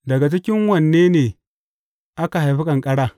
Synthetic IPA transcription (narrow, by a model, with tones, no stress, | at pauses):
dɐ˨ɡa˨t͡ʃɪ˦kʲɪ˦ŋwɐ˨nːeː˦neː˨ | ʔa˦ka˨ɦa˨jɸi˦kʼɐ˨ŋkʼɐ˦ɽaː˦